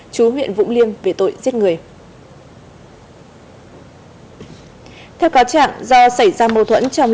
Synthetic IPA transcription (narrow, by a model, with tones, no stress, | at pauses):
t͡ɕu˨˦ɦwḭ˧˨ənvʊ̰˧˥ŋ͡mli˧ənve˨˩t̪o̰˧˨jzi˦˥ət̚ŋɨ˨˩əj | t̪ʰɛ˧wkaː˨˦wt͡ɕa̰ː˧˨ŋzɔ˧sə˧˩jzaː˧mə˨˩t̪ʰwə̰˧˥nt͡ɕɔ˧wŋ͡m